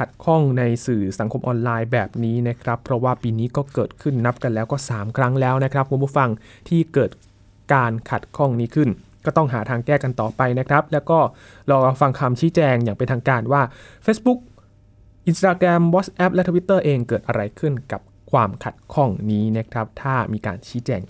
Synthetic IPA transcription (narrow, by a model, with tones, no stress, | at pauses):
kʰa˨˩t̪̚kʰɔ˥˩ŋna˧jsɯː˨˩sa˩˦ŋkʰo˧mʔɔː˧nlaː˧jbɛː˨˩p̚niː˦˥na˦˥kʰɾa˦˥pʰːɾɔ˦˥waː˥˩piː˧niː˦˥kɔː˥˩kɤː˨˩t̪̚kʰɯ˥˩nːa˦˥p̚ka˧nlɛː˦˥wkɔː˥˩saː˩˦mkʰɾa˦˥ŋlɛː˦˥wna˦˥kʰɾa˦˥p̚ku˧mpʰuː˥˩fa˧ŋ | t̪ʰiː˥˩kɤː˨˩t̪̚ | kaː˧nkʰa˨˩t̪̚kʰɔ˥˩ŋniː˦˥kʰɯ˥˩n | kɔː˥˩t̪ɔ˥˩ŋɦaː˩˦t̪ʰaː˧ŋkɛː˥˩ka˧nt̪ɔː˨˩pa˧jna˦˥kʰɾa˦˥p̚lɛː˦˥wkɔː˥˩ | ɾɔː˧fa˧ŋkʰa˧mt͡ɕʰiː˦˥t͡ɕɛː˧ŋjaː˨˩ŋpe˧nt̪ʰaː˧ŋkaː˧nwaː˥˩feː˦˥sbu˦˥k̚ | ʔi˧nst̪aː˧kɾɛ˧mwɔ˦˥t̪̚sʔɛ˦˥p̚lɛ˦˥t̪ʰa˧wi˦˥t̪ːɤː˥˩ʔeː˧ŋkɤː˨˩t̪ʔa˧ɾa˧jkʰɯ˥˩nka˨˩p̚ | kʰwaː˧mkʰa˨˩t̪̚kʰɔ˥˩ŋniː˦˥na˦˥kʰɾa˦˥p̚t̪ʰaː˥˩miː˧ka̰ː˧nt͡ɕʰiː˦˥t͡ɕɛː˧ŋ